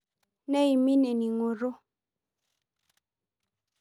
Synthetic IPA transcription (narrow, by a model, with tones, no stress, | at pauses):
nɛ˦i˨mi˦ne˨ni˨ŋo˨ɾo˦